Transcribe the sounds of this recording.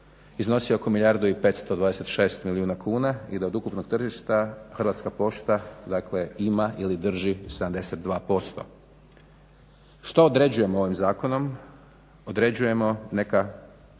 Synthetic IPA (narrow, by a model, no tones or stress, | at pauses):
izno̞sio̞ko̞milʲjaɾd̪uipe̞t̪st̪o̞d̪ʋaːd̪e̞se̞t̪ʃe̞ːst̪milijuːnakʰuːnaid̪aod̪ukupno̞ɡ̥̚t̪r̩ʒiʃt̪axrʋat̪skapo̞ʃt̪ad̪akle̞imaʔilid̪r̩ʒised̪amd̪e̞set̪̚d̪ʋaːpo̞st̪o̞̰ | ʃt̪ood̪ɾe̞d͡ʑuje̞moo̞ʋimzaːkono̞m | od̪ɾe̞d͡ʑuje̞mo̞ne̞ka